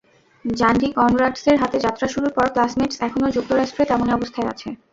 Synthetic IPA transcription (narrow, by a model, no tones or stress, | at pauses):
d͡ʑand͡ʑikɔnɾaɖseɾɦat̪ed͡ʑat̪ːɾaʃuɾuɾpɔɾklasmeʈsɛkʰonod͡ʑuk̚t̪oɾaʃʈɾet̪ɛmoneɔbost̪ʰaea̰t͡ɕʰe